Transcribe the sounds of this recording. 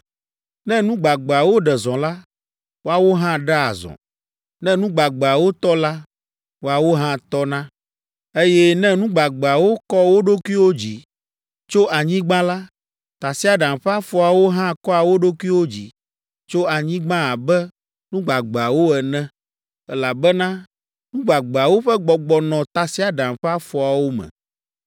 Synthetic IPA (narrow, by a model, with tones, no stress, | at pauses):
nɛ̃˦nũ˦ɡ͡ba˨ɡ͡be˨a˨wo˦ɖɛ˨zɔ̃˨la˦ | wo˦a˨wo˦ɦã˦ɖɛ˦a̰˨zɔ̰̃˨ | nɛ̃˦nũ˦ɡ͡ba˨ɡ͡be˨a˨wo˦t̪ɔ˦la˦ | wo˨˦a˨wo˦ɦã˦t̪ɔ˦nã˦ | e˦jɛ˦nɛ̃˦nũ˦ɡ͡ba˨ɡ͡be˨a˨wo˦kɔ˦wo˦ɖo˦ku˦i˦wo˦d͡ʑi˨ | t͡ʃo˦ʔa˨ɲĩ˦ɡ͡bã˦la˦ | t̪a˨si˦a˨ɖã˨m˨ɸɛ˦a˦fɔ˨a˨wo˦ɦã˦˨kɔ˦a˨wo˦ɖo˦ku˦i˦wo˦d͡ʑi˨ | t͡ʃo˦a˨ɲĩ˦ɡ͡bã˦a˨bɛ˦ | nũ˦ɡ͡ba˨ɡ͡ba˨wo˦ɛ˨nɛ̃˦ | ɛ˦la˨bɛ˦nã˦ | nũ˦ɡ͡ba˨ɡ͡be˨a˨wo˦ɸɛ˦ɡ͡bɔ˨ɡ͡bɔ˨nɔ̃˨t̪a˨si˦a˨ɖã˨m˨ɸɛ˦a˦fɔ˨a˨wo˦mɛ̰̃˨